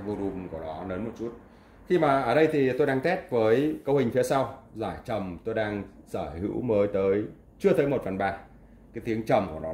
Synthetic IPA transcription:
vo˧lu˨˩mku˧˩ənɔ˨˦nəː˨˦nmo˨˩t̚t͡ɕu˦˥t̚ | xi˧maː˨˩ʔəː˧˩ɗə˧jt̪ʰi˨˩t̪o˧jɗaː˧ŋt̪ɛ˦˥t̚vəː˨˦jkə˨˧whï˨˩ŋ̟fi˨˦əsa˧wzaː˧˩jt͡ɕə˨˩mt̪o˧jɗaː˧ŋsəː˧˩hɨ̰˧˥wməː˨˦jt̪əː˨˦j | t͡ɕɨ˧ət̪əː˨˦jmo˨˩t̚fə˨˩nɓaː˨˩ | kaː˨˦jt̪i˨˦əŋt͡ɕə˨˩mku˧˩ənɔ˨˦

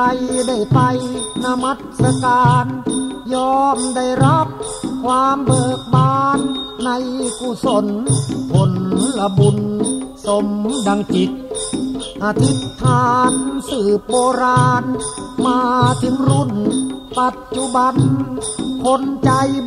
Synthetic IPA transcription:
a˧jda˥˩jpa˧jna˧ma˦˥t̪̚sa˧kaː˧njɔː˧mda˧˩jɾa˦˥p̚ | kʰwaː˧mbɤː˨˩k̚baː˧nːa˧jku˧˩so˧npʰo˨˧nla˧bu˧nso˧mdaː˧ŋt͡ɕi˨˩t̪̚ | ʔa˧t̪ʰi˦˥t̪ʰaː˧nsɯː˨˩p̚boː˧ɾaː˧nmaː˧t̪ʰi˧˦mɾu˧˥˩npa˨˩t̪̚t͡ɕu˧˦ba˧n | pʰo˧˥nt͡ɕa˧j

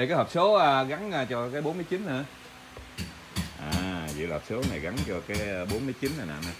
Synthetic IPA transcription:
e˨kaː˨˦jɦəː˨˩p̚so˨˦aː˧ɣa˨˦nʔaː˧t͡ɕɔ˧kaː˨˦jɓo˨˦nmɨ˧əjt͡ɕi˨˦nnɨ˧˩ | ʔaː˨˩zḭ˧˨laː˨hːp̚so˨˦na˨˩jɣa˨˦nt͡ɕɔ˧kaː˨˦jəː˧ɓo˨˦nmɨ˧ət͡ɕi˨˦nna˨˩na̰ː˧˨na˧˦

